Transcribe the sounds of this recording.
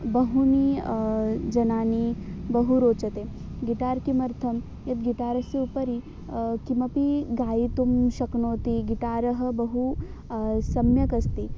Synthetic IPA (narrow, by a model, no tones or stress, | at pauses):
bɐɦuni | d͡ʒɐnaːnibɐɦuɾoːt͡ʃɐt̪eː | ɡiʈaːɾkimɐɾt̪ʰɐm | jɐt̪̚ɡiʈaːɾɐseupɐɾi | kimɐpiɡaːit̪umʃɐknoːt̪iɡiʈaːɾɐɦɐ̆bɐɦu | sɐmjɐkɐst̪i